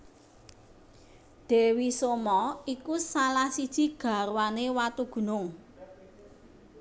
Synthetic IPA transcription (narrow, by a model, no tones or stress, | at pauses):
ɖ̪̥e̤wisomɔikusalahsid̥ʒ̥i̤ɡ̥a̤ɾwanewat̪uɡ̥ṳnʊŋ